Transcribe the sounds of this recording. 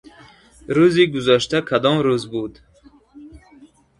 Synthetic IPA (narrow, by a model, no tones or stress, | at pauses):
ɾuziɡuzaʃt̪akʰad̪ɔmɾuzbud̪